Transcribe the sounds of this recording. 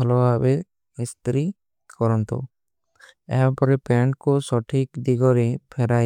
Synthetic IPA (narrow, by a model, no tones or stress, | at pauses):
ɔlɔwabe | ist̪ɾi | kɔɾɔnt̪ɔ̰ | ɛ̰ɦapɔɾepɛɳkɔsɔʈʰikd̪iɡɔɾepʰɛɾaj